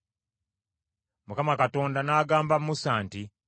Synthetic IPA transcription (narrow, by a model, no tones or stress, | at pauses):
mukamakato̞ːndanaːɡaːmbamːusaːnti